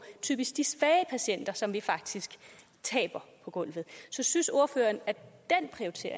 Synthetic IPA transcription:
t͡sʰy̰ːb̥isɡ̥d̥isʋɛːəpʰæɕen̰d̥ɐsɒ̽mʋifɑ̈ɡ̥d̥isɡ̥ | t͡sʰɛ̰ːb̥ɐpʰɒ̽ɡ̥ɔ̽l̰ʋð̩ˠsɒ̽synso̝ɐføːɐnæɐd̥enpʰʁiot͡sʰe̝ɐ̰

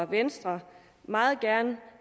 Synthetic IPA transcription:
ʋensd̥ʁɐ | mɑ̈ːð̩ˠɡ̥æɐn

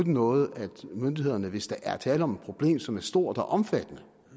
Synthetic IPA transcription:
d̥nɔ̽ːð̩ˠæd̥mønd̥ihe̝ð̞̰ˠɐnəʋe̝sd̥ɑ̈ʔæɐt͡sʰɛːləɒ̽me̝d̥̚pʰʁo̝b̥le̝̰ːmsɒ̽mæɐsd̥o̝ɐ̰d̥ɒʔɒ̽mfæd̥ənə

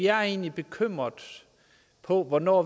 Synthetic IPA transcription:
iæɐe̝̰ːnlib̥e̝kʰøm̰ʁɐðˠ | pʰɒ̽ʋɒnɒ̰ː

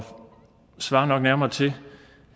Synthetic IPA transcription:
sʋɑ̈ːnɒ̽ɡ̥næɐmɐt͡sʰe̝

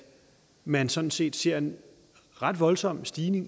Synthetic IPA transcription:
mænsɒ̽n̥n̩se̝̰ːd̥se̝ɐ̰e̝n | ʁɑ̈d̥ʋɒ̽lsɒ̽m̰sd̥iːne̝ŋ

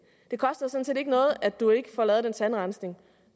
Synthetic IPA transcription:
d̥e̝kʰɒ̽sd̥ɐsɔ̽n̩se̝de̝ɡ̥ənɔ̽ːð̩ˠæd̥ue̝ɡ̥əfɒlɛːð̩ˠensænʁɑnsne̝ŋ

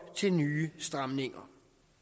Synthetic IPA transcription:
t͡sʰe̝lnyːəsd̥ʁämne̝ŋɐ

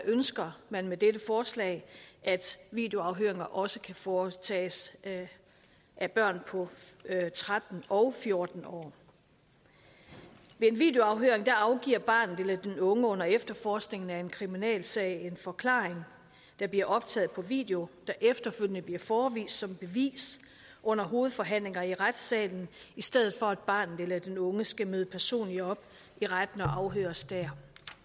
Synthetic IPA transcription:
d̥æʔønsɡ̥ɐmænmed̥edəfɒːslɛ̰ɪʔæd̥ʋḭːd̥e̝o̝ɑ̈ʊɦø̰ɐe̝ŋɐʔɒ̽səkʰæfɒːt͡sʰɛ̰ːs | ʔæb̥ɶɐ̰npʰɒ̽t͡sʰʁad̥n̩ɒ̽ʊfjo̝ɐd̥n̩ɒ̰ː | ʋe̝e̝nʋḭːd̥e̝o̝ɑ̈ʊɦøɐe̝ŋd̥æɑ̈ʊɡ̥ḭːɐ̰b̥ɑ̰̈ːnð̩ˠelæd̥enɔ̽ŋəɔ̽n̰ɐefd̥ɐfɒːsɡ̥ne̝ŋn̩æe̝nkʰʁiminɛ̰ːlsɛ̰ɪe̝nfɒ̽kʰlɑ̰̈ːeŋ | d̥ɑ̈b̥liɐʔɒ̽b̥t͡sʰɛ̰ːð̩ˠpʰɒ̽ʋḭːd̥e̝o̝d̥æʔefd̥ɐføl̰jənəb̥liɐfɒːʋḭːsd̥sɒ̽mb̥e̝ʋḭːs | ʔɔ̽n̰ɐɦo̝ːð̩ˠfɒ̽ɦæn̰le̝ŋɐiʁad̥sɛ̰ːln̩ | isd̥eð̞̰ˠð̩ˠfɒ̽æd̥̚b̥ɑ̰̈ːnð̩ˠelæd̥enɔ̽ŋəsɡ̥æmøːðˠəpʰæɐso̝̰ːnliɒ̽b̥ | iʁad̥n̩ɒ̽ʔɑ̈ʊɦø̰ːɐsd̥æɐ̰

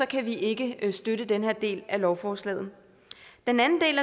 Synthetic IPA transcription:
sɒ̽kʰæʋiʔe̝ɡ̥əsd̥øɾəd̥enhe̝ɐ̰d̥e̝̰ːlælɒʊfɒːslɛ̰ːð̩ | d̥enænn̩d̥e̝̰ːlæ

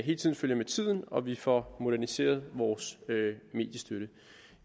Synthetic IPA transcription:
ɦe̝ːlət͡sʰiðˠn̩føl̰jɐmet͡sʰið̞̰ˠn̩ɒ̽ʋifɒmo̝ɾ̥æɐnise̝̰ːɐð̞ˠʋɒːsøme̝̰ːd̥jəsd̥øɾə

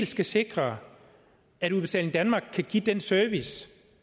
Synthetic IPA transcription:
lsɡ̥æse̝ɡ̥ʁɐ | æɾuðˠb̥e̝t͡sʰɛ̰ːlŋ̩d̥ænmɑ̈ɡ̥̚kʰæɡ̥id̥ensœɐʋis

